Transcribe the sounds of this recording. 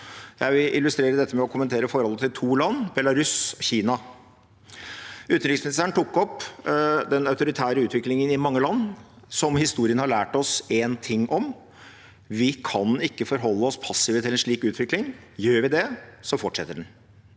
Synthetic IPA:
jæɪʋɪlɪlːʉst̪ɾeːɾəd̪ɛt̪ːəmɛɔkʰʊmənt̪ʰeːɾəfɔɾhɔlːət̪ɪlt̪ʰuːlɑnːbɛlɑɾʉsɔçiːnɑ | ʉːt̪nɾɪksmɪnɪsæɳ̩t̪ʰʊkːɔpː | d̪ɛnɑʉt̪ʊɾɪt̪ʰæːɾəʉːt̪ʋɪklɪŋənɪmɑŋːəlɑnː | sɔmhɪst̪uːɾɪənhɑɭæːʈɔsent̪ʰɪŋːʔɔm | ʋɪkʰɑnɪkːəfɔɾɦɔlːəɔspʰɑsːɪːʋət̪ɪlɛnʂɭiːkʉːt̪ʰʋɪklɪŋjøːɾʋɪd̪ɛsɔfɔʈʂɛt̪ːəɖɛn

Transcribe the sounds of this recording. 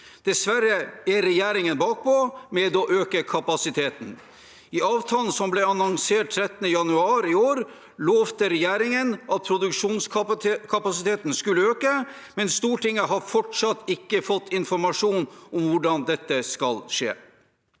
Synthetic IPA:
d̪̥ɛsʋæɾəɛɾɛjæːɾɪŋənbɑːk̚pʰɔmɛd̪ɔʔøːkəkʰɑpɑsɪt̪ʰeːt̪n̩ | ɪɑːʋt̪ʰɑːlən̩sɔmblɛɑnɔŋseːʈ̚t̪ʰɾɛt̪ːənəjɑnʉɑːɾɪoːɾ | loːʋt̪əɾɛjeːɾɪŋənʔɑt̪̚pʰɾʊd̪ʉkʂuːnskʰɑpɑsɪt̪ʰeːt̪n̩skʉlːəøːkə | mɛnst̪uːʈɪŋːəɦɑɾfɔʈʂɑt̪ːɪkːəfɔt̪ʰːɪnfɔɾmɑʂuːnɔmʋʊɖɑnd̪ɛt̪ːəskɑlʂḛː

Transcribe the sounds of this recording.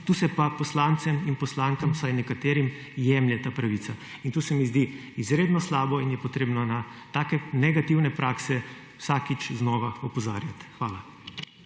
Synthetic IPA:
t̪uːsɛpapɔslaːnt̪sɛminpɔslaːŋkamsajnɛkat̪eːɾim | jɛmljɛt̪aːpɾaʋiːsaint̪uːsɛmizd̪i | izɾeːd̪nɔslaːbɔinjɛpɔt̪ɾeːbnɔnat̪aːkɛnɛɡat̪iwnɛpɾʔaːksɛ | wsaːkit͡ʃznɔːʋaɔpɔzaːɾjat̪xʋaːla

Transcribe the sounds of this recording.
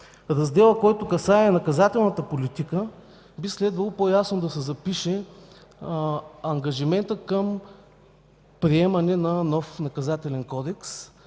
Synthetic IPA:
ɾɐzd̪ɛlˠəkɔjt̪ʊkɐsaɛːnɐkɐzat̪ɛlˠnɐt̪əpolit̪ikə | bislɛd̪vɐlˠopojasnʊd̪ɐsɛzɐpiʃɛ | ɐŋɡɐʒimɛnt̪əkəm | pɾiɛmɐnɛnɐnɔfnɐkɐzat̪ɛlɛnkɔd̪ɛks

